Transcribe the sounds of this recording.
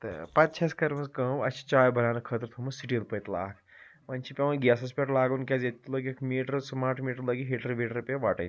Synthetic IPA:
t̪ɨ̰pɐt̪̚t͡ʃʰɐskɐɾmɐskɐmɐt͡ʃʰi̥t͡ʃaːjbʱɐɾaːnɐkʰɐt̪ɾt̪ʰumɐsiʈilpət̪la̰ːkʰ | mɐnʲt͡ʃʰipʲeʋɐnɡjaːsɐspʲeʈlaːɡɐnkʲɐzet̪t̪ːulɐɡkʰmiːʈɾsmaːɾʈʰmiːʈɐɾlɐɡiɦeʈɾʋeːʈɾupjaʋaːʈɐ̰n

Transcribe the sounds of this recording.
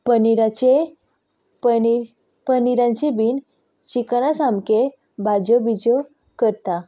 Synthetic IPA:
pəniɾat͡ɕe | p | pəniɾãɲt͡ɕebiːn | t͡ɕikanasamke | bad͡ʑɔbid͡zɔ | kəɾt̪a

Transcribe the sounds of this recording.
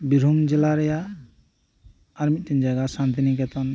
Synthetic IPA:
biɾumd͡ʒɛlaɾɛja | ɾmit̪̚ˀtɛnd͡ʒaɡasant̪inikɛt̪an

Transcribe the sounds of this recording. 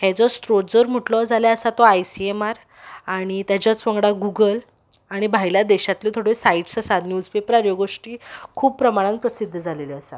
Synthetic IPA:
hɛ̃t͡sɔst̪ɾotd͡zəɾm̤əʈlɔd͡zʱaljaəsat̪ɔajsiemaɾ | aɽ̃it̪jat͡ɕjat͡sʋəŋɡɽaɡuɡəl | aɽ̃ibʱajljad̪ɛɕat̪let̪ʰoɽesaiʈsəsanjuːd͡zpepɾaɾjoɡoʂʈiːkʰuːb̚pɾəmaɽ̃ãnpɾəsid̪ʱːəd͡zʱaleleəsa

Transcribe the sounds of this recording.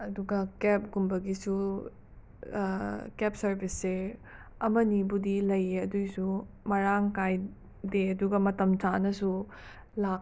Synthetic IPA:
ɐduɡɐkep̚ɡumbɐɡisu | kep̚sɐɾbʱise | ɐmɐnibudilɐjeɐdujsu | mɐɾaŋkaj | deɐduɡɐmɐtɐmtanɐsu | lak̚

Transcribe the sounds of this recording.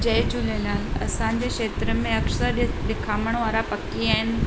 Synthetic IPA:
d͡ʑɐɦd͡ʑʊləlaːlɐ̰sãɲ̆d͡ʑeʃeːt̪ɾəmẽɐksəɾɗɪkʰaːməɽ̃ʋaːɾapɐkiaːɦɪnɪ̆

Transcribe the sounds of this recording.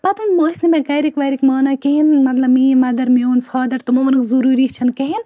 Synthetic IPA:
pɐt̪ʰɐnmosnimẽkɐjɾikʋɐjɾikmaːnɐkeɦinmɐt̪lɐbmiːmɐd̪ɐɾmioːnfʰaːd̪ɐɾt̪umomɐnɐkzuɾuːɾit͡ʃʰɐnkeɦin

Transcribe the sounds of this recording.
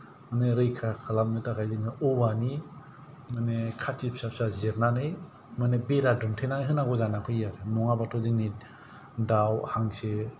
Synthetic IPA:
maneɾɯjkʰakʰalamnɯtakajziŋɯɔbani | manekʰat͡ʃipsapsazeɾnanɯj | manebeɾadɯmtʰenanɦɯnaɡɔzanakʰɯjjaɾemɔŋabatʰɔziŋni | dawhaŋse

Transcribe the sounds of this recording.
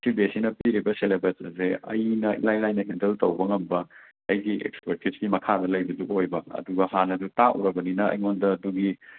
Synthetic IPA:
sibesinɐpiɾibɐselebesɐzeɐ̰jnɐḭlajlajnɐindeltɐwbɐŋɐmbɐ | ɐjɡiʔḛkspɐɾtizɡimɐkʰadɐlɐjbɐduojbɐɐ̰duɡɐɦanɐdutaʔṵɾɐbɐninɐɐ̰jŋondɐːduɡi

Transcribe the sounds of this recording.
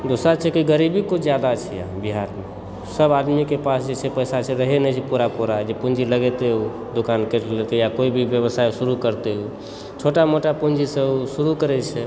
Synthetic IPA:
d̪osɾat͡ʃʰɛkiɡəɾibikut͡ʃʰd͡ʒjad̪at͡ʃʰɛja̰biɦaɾme | səbad̪mikepasd͡ʒet͡ʃʰɛpəjsat͡ʃʰɛɾəɦenɛt͡ʃʰɛpuɾapuɾad͡ʒepund͡ʒiləɡet̪eu | d̪okankelet̪ejakoibʱibjəβəsajsuɾukəɾt̪eu | t͡ʃʰoʈamoʈapund͡ʒisəsuɾukəɾɛt͡ʃʰɛ

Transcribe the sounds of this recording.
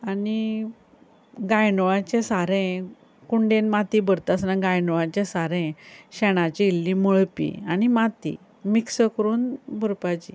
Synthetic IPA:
ani | ɡajnɔʋãt͡ɕẽsaɾẽ | kuɳɖẽnmat̪ibəɾt̪asnaɡajnɔʋãt͡ɕẽsaɾẽɕɛɽ̃at͡ɕiilːĩməɭpḭañimat̪ḭ | miksəkəɾuːnbəɾpat͡ɕḭ

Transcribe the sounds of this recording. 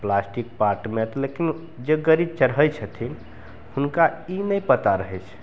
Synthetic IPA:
plasʈik̚paɾʈmet̪ɔlekin | d͡ʒeɡəɾib̚t͡ʃəɾɦəjt͡ʃʰət̪ʰin | hunkainəjpət̪aɾəɦɛt͡ʃʰ

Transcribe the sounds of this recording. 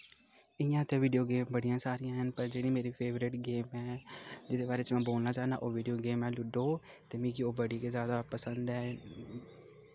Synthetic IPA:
ɪjãːt̪ẽʋiːɖijoːɡeːmbəɽijãːsaːɾijãːɦənpəɾd͡ʒeːɽĩːmeːɾiːpʰeːʋɾɪʈɡeːmɛːd͡ʒɪd̪eːbaːɾeːt͡ʃmɛ̃ːboːlnaːt͡ʃaːnd̪a̰ːʔoːʋiːɖijoːɡeːmɛ̃ːlʊɖoː | t̪eːmĩːkiːoːbəɽiːkezjaːd̪aːpəsənd̪ɛː

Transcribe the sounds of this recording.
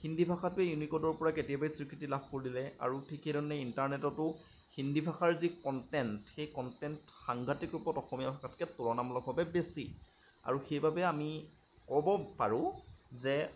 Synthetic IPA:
xindʱibʱaxatʊɛjunikɔtɔɹpɔɹaketiabajsiɹkɹitilabʰʱkoɹilɛa̰ɹutʰikedɔnːɛintaɹnɛtɔtʊ | xindʱibʱaxaɹzikɔntɛntxejkɔntɛntxaŋɡʱatikɹupɔtɔxɔmijabʰʱakatkɛtuɹɔnamlɔɡʱɔbɛbesi | a̰ɹuxejbabɛami | kɔbɔpa̰ɹʊ̃zɛ

